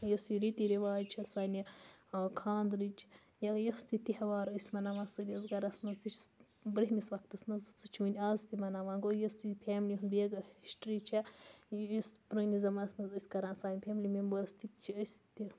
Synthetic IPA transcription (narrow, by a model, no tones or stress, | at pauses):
jɐsiɾit̪iɾiʋaːd͡ʒt͡ʃʰɐsaːni | kʰaːnd̪ɾit͡ʃʰ | jɐɡjɐst̪it̪ihɐʋaːɾəsʲmɐnaʋaːsɐɾʲjɐzɡɐɾɐsmɐzt̪it͡ʃ | bɾɐɦʲmisʋɐk̚t̪ɐsmɐzsɨt͡ʃʰuːnʲaːzt̪imɐnaʋaːɡojɐsipʰʲeːmlʲiɦunbeɡɐhiʃʈɾit͡ʃʰɐ | sbɾɐnʲizɐmɐnɐsmɐzəsʲkɐɾãːnsaːnʲipʰʲeːmlʲimembɐɾɐst̪it̪t͡ʃʰiəsʲt̪i